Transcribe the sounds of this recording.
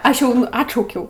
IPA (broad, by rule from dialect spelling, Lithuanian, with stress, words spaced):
ˈɐʃ jɛʊ ˈɑːtʃɐʊkʲɛʊ